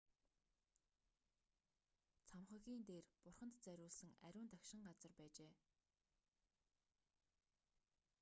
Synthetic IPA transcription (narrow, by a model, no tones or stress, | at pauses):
t͡sʰamχə̆ɣʲiːnt̪eːrpʊrχə̆nt̪t͡sæɾʲʊːɮsɘ̆ŋæ̰ɾʲʊːnt̪akʃɪ̆ŋɢat͡sə̆rpæːt͡ɕeː